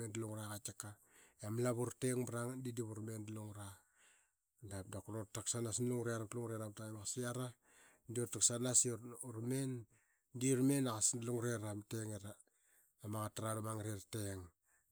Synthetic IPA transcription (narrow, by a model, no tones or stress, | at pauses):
endaluŋɾakat͡ʃaka | jamlaβuɾteŋbɾaŋadidiβuɾmendaluŋɾa | dap̚dakɾotaksanasnluŋɾaaɾatluŋɾeɾamtabakasiaɾa | ndiotaksanasɾmen | diɾmenaɣasdaluŋɾeɾamteŋeɾa | amaɣataɾadamaŋɾerteŋ